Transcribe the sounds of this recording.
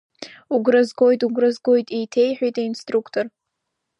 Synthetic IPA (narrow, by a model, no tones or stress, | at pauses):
uɡrɨzɡo̞jtʼuɡrɨzɡo̞jtʼijtʰe̞jħʷᶣojtʼainstʼrukʰtʰor